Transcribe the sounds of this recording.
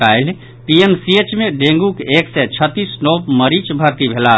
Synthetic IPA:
aːɪl | piemsiet͡ʃmẽɖẽːŋɡukeːksɛt͡ʃʰət̪ːisnoːpməɾit͡ʃbʱəɾt̪ibʱela

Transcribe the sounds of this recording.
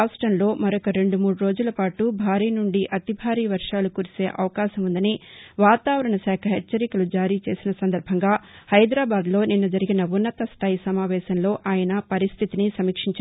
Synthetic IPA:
asʈɾɐmlo̞ːmɐɾɔkɐɾe̞ɳɖumuːɽuɾo̞ːd͡ʒulɐpaːʈubʱaːɾiːnuɳɖiʔɐt̪ibʱaːɾiːʋɐɾʂaːlukuːɾise̞ːʔɐ̰ʋɐkaːʃɐmund̪ɐniʋaːt̪aːʋɐɾɐɳɐsɛːkʰɐɦɛt͡ʃːɐɾikɐlud͡ʒaːɾiːt͡ʃe̞ːsinɐsɐnd̪ɐɾbʱɐŋɡaːhɐjd̪ɾaːbaːd̪lo̞ːninːɐd͡ʒɐɾiɡinɐunːɐt̪ɐst̪ʰaːjisɐmaːʋɛːʃɐnlo̞ːʔaːjɐnɐpɐɾist̪ʰit̪inisɐmiːkʂiɲt͡ʃ

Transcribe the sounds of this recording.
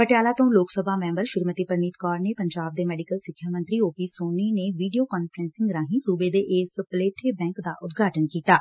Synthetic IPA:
pəʈjaːlaːt̪õloːksəbʱaːmɛ̃ːmbəɾʃɪɾmət̪iːpəɾniːt̪kɔːɾneːpəɲd͡ʒaːb̚d̪eːmɛːɖɪkəlsɪkʰːjaːmə̃nt̪ɾiːoːpiːsoːniːneːʋiːɖijoːkɔːnpʰəɾɛ̃ːnsɪ̃ŋɡɾãːɦĩːsuːbeːd̪eːʔeːspəleːʈʰeːbɛ̃ːŋkd̪aːʔʊt̪ɡʱaːʈənkiːt̪aː

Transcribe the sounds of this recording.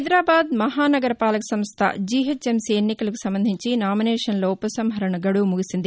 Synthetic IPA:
ɐjd̪ɾaːbaːd̪mɐɦaːnɐɡɐɾɐpaːlɐkɐsɐmst̪ʰɐ̰d͡ʒiːɦet͡ʃːemsienːikɐlɐku̥sɐmbɐnd̪ʱiɲt͡ʃinaːmineːʂɐnloːupːɐsɐmɦɐɾɐɳɐɡɐɽumuɡisind̪i

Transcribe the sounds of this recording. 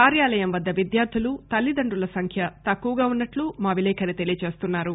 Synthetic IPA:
kaːɾjaːlɐjɐmʋɐd̪ːɐʋid̪jaːɾd̪ʱilut̪ɐlːid̪ɐɳɖulɐsɐŋkʰjɐt̪ɐkːuʋɐɡaːunːɐʈlumaːʋilɛːkʰɐnit̪e̞lijɐt͡ʃe̞ːst̪unːaːɾu

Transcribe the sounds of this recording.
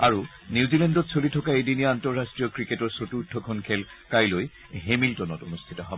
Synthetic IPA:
aɹu | niwzilɛndɔtsolitʰɔkaejdinijantɔɹːastɹijɔkɹiketɔɹsotutʰːɔkʰɔnkʰɛl | kajloj | ɦemiltɔnɔto̰nustʰitɔɦɔbɔ

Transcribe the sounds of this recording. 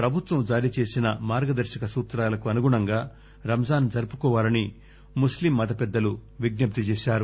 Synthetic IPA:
pɾɐbʱut̪ʋɐmd͡ʒaːɾit͡ʃe̞ːsinɐmaːɾɡɐd̪ɐɾʃɐkɐsuːt̪ɾaːlɐkuɐnuɡuɳɐŋɡaː | ɾɐmɐd͡ʒaːnd͡ʒɐɾpukɔːʋaːlɐni | muslimːɐd̪ɐpɛd̪ːɐluʋiɡnɐp̚t̪it͡ʃɛːʃaːɾu

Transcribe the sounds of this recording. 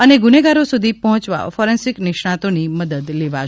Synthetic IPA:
əneɡuneɡaɾosud̪ʱipɔɦɔ̃t͡ʃʋa̰fɔɾensɪknɪʃɳãt̪oniməd̪əd̪leʋa

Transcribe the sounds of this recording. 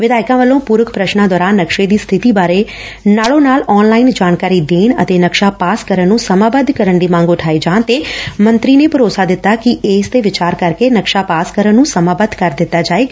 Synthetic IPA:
ʋɪd̪aːɪkãːʋəlːõːpuːɾəkpɾəʃnãːd̪ɔːɾaːnːəkʃeːd̪iːst̪ʰɪt̪iːbaːɾeː | naːlõːnaːlɔːnlaːind͡ʒaːnkaːɾiːd̪eːɳə̰t̪eːnəkʃaːpaːskəɾənnːũːsəmaːbəd̪kəɾəɳɖiːmãːŋɡʊʈʰaːed͡ʒãːnt̪eːmə̃nt̪ɾiːneːpəɾoːsaːd̪ɪt̪ːaːkɪʔeːst̪eːʋɪt͡ʃaːɾkəɾkeːnəkʃaːpaːskəɾənːũːsəmaːbəd̪kəɾd̪ɪt̪ːaːd͡ʒaːeːɡ

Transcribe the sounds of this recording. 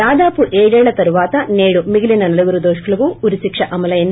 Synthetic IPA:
aːd̪aːpuʔeːɽɛːɭɐt̪ɐɾuʋaːt̪ɐneːɽumiɡilinɐnɐlɐɡuɾud̪oːʂkɐlɐʋuuɾisikʂɐʔɐmɐlɐjɐnː

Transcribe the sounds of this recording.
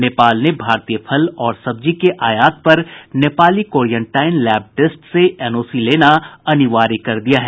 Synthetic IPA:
neːpaːlnebʱaːɾt̪ijəpʰɐlɔːɾsɐb̚d͡ʒikeʔaːjaːt̪̚pɐɾneːpaːlikoːɾijə̃ɳʈaːɪnlɛːb̚ʈesʈseʔɛnoːsileːnaɐniʋaːɾikɐɾd̪ijaɦɛː

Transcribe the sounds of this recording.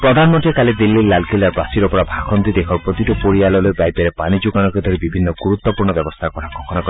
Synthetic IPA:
pɾɔd̪ʱanɔmɔnʈiekalid̪ilːilalkilaɾbasiɾɔpɔɽabʱakʰɔnt̪id̪ekʰɔɾpɾɔt̪iʈɔpoɾialɔlojpajpeɾepanid͡ʒuɡanɔked̪ʱɔɾibibʱinːɔɡuɾut̪ːɔpuɾɳɔbjɔbɔst̪ʰakɔɾakɔkʰɔnakɔ

